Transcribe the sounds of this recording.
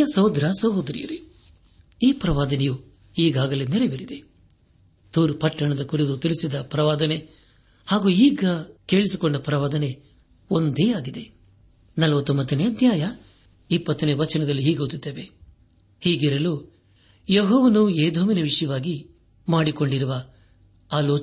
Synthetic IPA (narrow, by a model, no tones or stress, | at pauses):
ɐsɐwd̪ɾasɐɦod̪ɐɾḭjɐ̰ɾi | iːpɾɐʋaːd̪ɐneju | iːɡaːɡɐleneɾebiɾid̪e̞ | t̪uːɾpɐʈːɐɳɐd̪ɐkuɾid̪ut̪ilisid̪ɐpɾɐʋaːd̪ɐne̞ | haːɡuːiːɡɐke̞ːɭisikoɳɖɐpɾɐʋaːd̪ɐne̞ | ond̪eːaːɡid̪e̞ | nɐlɐʋɐt̪ːombɐt̪ːɐneɐd̪ʱjaːjɐ | ipːɐt̪ːɐneʋɐt͡ʃɐnɐd̪ɐlːiɦiːɡoːt̪it̪ːeːʋe̞ | hiːɡiɾɐlu | jeɦɔːʋɐnueːd̪ʱoːʋinɐʋiʂɐjɐʋaːɡi | maːɽiko̞ɳɖiɾuʋɐ | aːloːt͡ʃ